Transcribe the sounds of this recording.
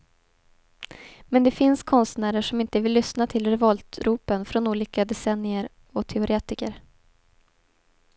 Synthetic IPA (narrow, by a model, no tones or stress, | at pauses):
mɛnd̪ɛfɪnskʰɔnst̪næːɾəʂɔmɪnt̪əvɪlːʏsnat̪ʰɪlɾɛvɔlt̪ɾuːpənfɾɔnuːliːkad̪ɛsɛnːɪəɾ | ɔt̪ʰɛʊɾʔeːt̪ɪkəɾ